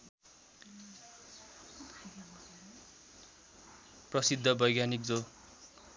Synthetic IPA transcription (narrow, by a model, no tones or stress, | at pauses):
prʌsid̪ʱːʌbʌjɡjanik̚d͡zo